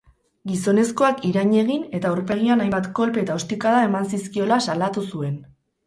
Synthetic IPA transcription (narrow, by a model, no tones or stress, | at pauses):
ɡiso̞ne̞sko̞akiɾaɲe̞ɣ̞ine̞t̪auɾpe̞ɣ̞ianajmbat̪ko̞lpe̞t̪aost̪ikaðae̞mansiskio̞lasalat̪usue̞n